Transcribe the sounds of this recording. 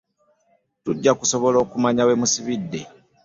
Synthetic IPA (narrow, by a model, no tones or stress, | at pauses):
tuɟːakuso̞βo̞lo̞ːkumaɲawe̞musiβidːe̞